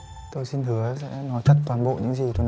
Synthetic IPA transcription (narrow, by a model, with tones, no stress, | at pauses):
t̪o˧jsi˧nɦɨ˨˦əsɛ̰˧˥nɔ˨˦jt͡ɕə˦˥t̚t̪waː˨˩nɓo̰˧˨ɲɨ̰˧˥ŋzi˨˩t̪o˧j